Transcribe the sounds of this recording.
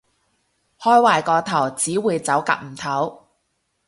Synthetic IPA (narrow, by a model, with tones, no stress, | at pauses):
hɔː˥jwaː˨˩jkɔː˧t̪ʰɐ˨˩wt͡siː˨˥wuː˨˧jt͡sɐ˨˥wka̰˧˥k̚m̩˨˩t̪ʰɐ˨˥w